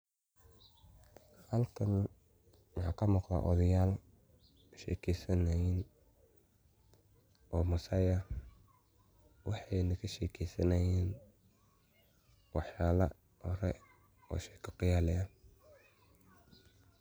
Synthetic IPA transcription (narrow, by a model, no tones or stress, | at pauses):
hɐlkʰɐn | wɑħɑ̰ːkʰɐmɔqda̰ʔɔ̰ðɐjaːl | ʃɛ̰ːkʰɛsɐnɐjɪn | ɔːmɐsɐjɐ | wɑħɑjnɐkʰɐʃɛːkʰɛjsɐnɐjɛːn | wɑħjaːlɐ̰ | ʔɔɾɛ | ɔ̰ːʃɛːkʰɐqɪjaːlɪɐ